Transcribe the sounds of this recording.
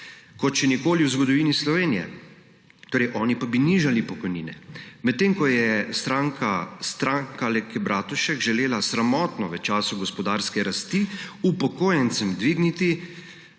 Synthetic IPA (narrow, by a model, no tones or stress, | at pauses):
kɔt͡ʃɛnikoːliwzɡɔd̪ɔʋiːnislɔʋeːnijɛ̰ | t̪oːɾɛɪjʔɔːnipabiniʒalipɔkɔjnḭːnɛ̰mɛt̪ːeːŋkɔjɛst̪ɾaːŋkast̪ɾaːŋkalɛkɛbɾʔaːt̪uʃɛkʒɛleːlasɾamɔːt̪nɔʋət͡ʃaːsuɡɔspɔd̪aːɾskɛɾast̪iupɔkoːjɛnt̪sɛmd̪ʋiɡnit̪i